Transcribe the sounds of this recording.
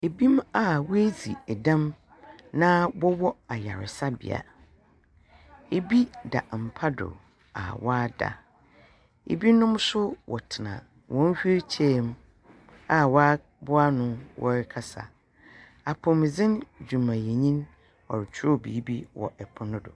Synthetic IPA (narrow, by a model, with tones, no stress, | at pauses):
e˨bi˦ma˨wɔ˦e˦zi˨ɛ˨dã˦m | nã˦wɔ˦wɔ˦a˨ja˨ɾɪ̰˨sa˦bɪ̰˨a̰˨ | e˨bi˦da̰˨m̩˨pʰa˦dʊ̰˨ | a̰˨wa˦da̰˨ | ḛ˨bi˦nʊ̃˦m˦sʊ˦wʔɔ˨tʰɪ˨nã̰˨ | wɔ̃˦n̩˦hᶣi˦t͡ɕʰɛ˦m˦ | a˨wa˦ | bʊ˦a˦nʊ̃˦wʔɔ̰˦ɾɪ˦kʰa˦sa̰˨ | a˨pʰʊ̃˨m˨zɪ̃˦nd͡ʑᶣu˨mã˨je˨ɲĩ˦n | ɔ̰˨ɾɪ˨t͡ɕʰʊ˦ɾɔ˦˨bḭː˨˦bi˦wɔ̰˨ʔɛ˨pʰʊ˦nʊ̃˦dʊ̰˨